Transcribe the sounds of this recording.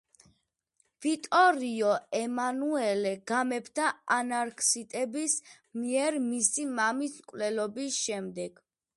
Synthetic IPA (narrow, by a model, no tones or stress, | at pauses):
vit̪ʼɔɾiɔɛmanuɛlɛɡ̥amɛbʰd̪aanaɾkʰsit̪ʼɛbis | miɛɾmisimamiskʼwlɛlɔbisʃɛmd̪ɛɡ̥